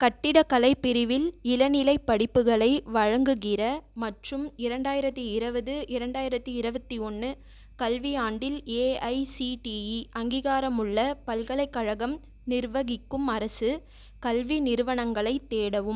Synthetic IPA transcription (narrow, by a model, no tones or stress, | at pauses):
kɐʈːɪɽɐkɐlɐɪpːɪɾɪʋɪlɪlɐnɪlɐɪpːɐɽɪpːɯɣɐɭɐɪʋɐɻɐŋɡɯɣɪrɐmɐʈrɯmɪɾɐɳɖaːjɪɾɐt̪ːɯɪɾɯbɐðɯʔɪɾɐɳɖaːjɪɾɐt̪ːɯɪɾɯbɐt̪ːiɔnːɯ | kɐlʋijaːɳɖɪleːɐɪsiʈiiʔɐŋɡiːɣaːɾɐmɯɭːɐpɐlkɐɭɐɪkːɐɻɐɣɐm | nɪɾʋɐɣɪkːɯmɐɾɐsɯ | kɐlʋinɪɾɯʋɐɳɐŋɡɐɭɐɪt̪ːeːɽɐʋɯm